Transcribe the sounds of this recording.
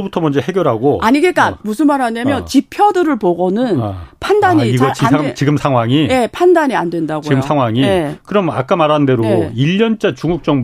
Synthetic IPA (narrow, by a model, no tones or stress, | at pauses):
butʰʌmʌnd͡ʑe̞he̞ɡjʌɾɦaɡoaɲiɡet̚k͈amus̬ʰɯnmaɾademjʌnt͡ɕipʰjʌdɯɾɯɭpoɡʌnɯnpʰandaɲiiɡʌit͡ɕiɡɯmsʰaŋɦwaŋije̞pʰandaɲiandwe̞ndaɡoiɡɯmsʰaŋɦwaŋiekɯɾʌma̰k͈amaɾanɯnde̞ɾoiʎːʌnt͡ɕ͈at͡ɕuŋɡuk̚t͡ɕ͈ʌŋ